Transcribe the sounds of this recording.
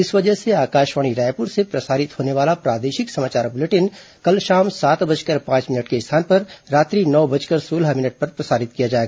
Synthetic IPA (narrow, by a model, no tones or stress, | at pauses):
ɪsʋɐd͡ʒəɦseaːkaːʃʋaːɽ̃iɾaːjpʊɾsepɾɐsaːɾɪt̪ɦoːneʋaːlapɾaːd̪eːʃɪksɐmaːt͡ʃaːɾbʊleʈɪn | kɐlʃaːmsaːt̪bɐd͡ʒkɐɾpãːt͡ʃmɪnəʈkeɪst̪ʰaːnpɐɾːaːt̪ɾinɔːbɐd͡ʒkɐɾsoːlamɪnəʈ̚pɐɾpɾɐsaːɾɪt̪kijad͡ʒaːeɡaː